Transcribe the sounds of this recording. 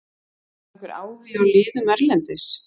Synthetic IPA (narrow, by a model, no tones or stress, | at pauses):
kɾa̰ːwvɪɾawlɪːðʏmɛɾlɛnt̪ɪs